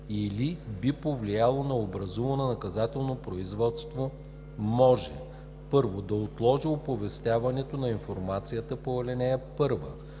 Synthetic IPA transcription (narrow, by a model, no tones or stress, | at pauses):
ilibipovlijalˠonɐobɾɐzuvɐnɛnɐkɐzat̪ɛlˠnopɾoizvɔt̪st̪vo | mɔʒɛ̰ | pɤɾvod̪ɐot̪lˠɔʒiopovɛst̪ʲjavɐnɛt̪onɐinfoɾmat̪sijət̪əpoɐlɛnɛɛpɤɾvə